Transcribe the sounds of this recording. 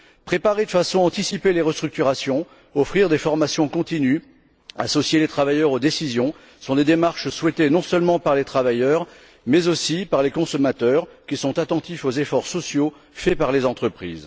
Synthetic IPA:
pχepaʁed̪əfasɔ̃aɑ̃t̪isipeleʁəst̪χyk̚t̪yʁasjɔ̃ | ɔfχiʁd̪efɔʁmasjɔ̃kɔ̃t̪iny | a̰sɔsjelet̪χavajœʁod̪esizjɔ̃ | sɔ̃d̪ed̪emaʁʃswɛt̪enɔ̃sœlmɑ̃paʁlet̪χavajœʁ | mɛzosipaʁlekɔ̃sɔmat̪œʁkʲisɔ̃t̪at̪ɑ̃t̪ifozefɔʁsɔsjo | fɛpaʁlezɑ̃t̪χəpχḭːz

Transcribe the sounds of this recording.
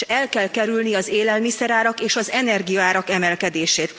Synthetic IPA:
ɛlkɛlkɛɾylniɒzeːlɛlmisɛɾaːɾɒkeːʃɒzɛnɛrɡijɒaːɾɒkɛmɛlkɛd̪eːʃeːt̪

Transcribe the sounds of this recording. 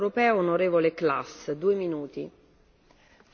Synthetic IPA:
ɾopɛːoonoɾeːvolekla̰sd̪uːeminuːt̪ḭ

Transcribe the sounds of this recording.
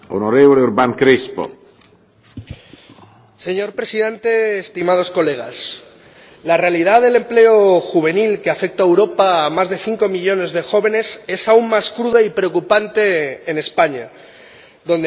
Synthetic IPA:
onoɾeβoleuɾbaŋkɾespo̰ | se̞ɲo̞ɾpɾe̞siðe̞nt̪e̞ːst̪imað̞o̞sko̞le̞ɣ̞as | lare̞alið̞aðe̞le̞mple̞o̞xuβ̞e̞nilkeafe̞k̚t̪aewɾo̞paːmazðe̞θiŋko̞miʎo̞ne̞zðe̞xo̞βe̞ne̞se̞saummaskɾuðaipɾe̞okupant̪e̞ːne̞spaɲa | ðo̞nd̪

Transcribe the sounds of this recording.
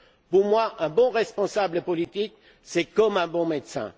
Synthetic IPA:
puʁmwaʔɛ̃bɔ̃ʁɛspɔ̃sabləpɔlit̪ik | sɛkɔmɛ̃bɔ̃med̪sɛ̰̃

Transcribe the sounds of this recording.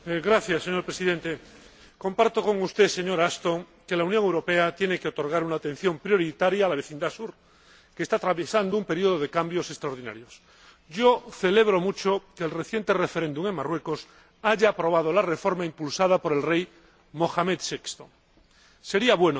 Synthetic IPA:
ɣɾaθjasːeɲo̞ɾpɾe̞siðẽ̞nt̪e | ko̞mpaɾt̪o̞ko̞ŋust̪ese̞ɲo̞ɾast̪oŋ | ke̞launjoŋewɾo̞pe̞at̪je̞nekeot̪o̞ɾɣ̞aɾunaːt̪ẽ̞n̟θjo̞mpɾjo̞ɾit̪aɾjaːlaβe̞θind̪asuɾ | ke̞st̪at̪ɾaβjesand̪oumpe̞ɾioð̞oð̞e̞kambjo̞sest̪ɾaoɾð̞ina̰ɾjo̞s | ɟ͡ʝoθe̞le̞βɾo̞mut͡ʃokeːlreθje̞nt̪ere̞fe̞ɾend̪uŋe̞ŋmarwe̞ko̞s | aʝaːpɾo̞β̞að̞o̞lare̞fo̞ɾmaimpulsað̞apo̞ɾe̞lrej | mo̞xamet̪sekst̪o | se̞ɾiaβwe̞no

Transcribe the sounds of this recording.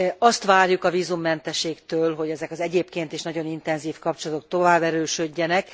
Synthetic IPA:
ɒst̪ʋaːrjukɒviːzumːɛnt̪ɛʃeːkt̪øːlɦo̞ɟɛzɛkɒzɛɟeːpkeːnt̪eːʃnɒɟo̞nint̪ɛnziːfkɒp̚t͡ʃolɒt̪o̞k̚t̪o̞vaːbɛɾøːʃøɟːɛnɛk

